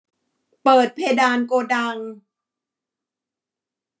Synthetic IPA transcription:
pɤː˨˩t̪̚pʰeː˧daː˧nkoː˧da˧ŋ

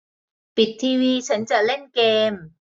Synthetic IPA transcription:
pi˨˩t̚t̪ʰːiː˧wiː˧t͡ɕʰɐ˨˦˥nt͡ɕa˨˩le˥˩nkeː˧m

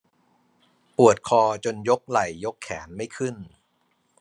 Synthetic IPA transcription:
pu˨˩ət̪̚kʰɔː˧t͡ɕo˧njo˦˥k̚la˨˩jːo˦˥kʰːɛː˩˦nma˥˩jkʰɯ˥˩n

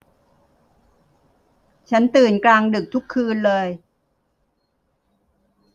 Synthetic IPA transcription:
t͡ɕʰa˦˥nt̪ɯː˨˩nklaː˧ŋdɯ˨˩k̚t̪ʰu˦˥kʰːɯː˧nlɤː˧j

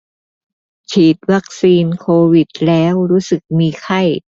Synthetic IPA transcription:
t͡ɕʰiː˨˩t̪̚wa˦˥k̚siː˧nkʰoː˧wi˨˩t̪̚lɛː˦˥wɾuː˦˥sɯ˨˩k̚miː˧kʰa˥˩j

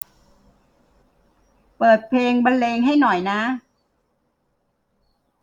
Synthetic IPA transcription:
pɤː˨˩t̪̚pʰleː˧ŋba˧nleː˧ŋɦa˥˩jnɔ˨˩jna˦˥

